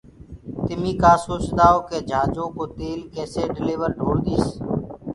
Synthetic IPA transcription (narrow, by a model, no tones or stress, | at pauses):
t̪ɪmiːkaːsoːsd̪aːoːkeːd͡ʒʱaːd͡ʒõːkoːt̪eːlkɛːseːɖɪleːʋəɾɖʱoːɽd̪iːs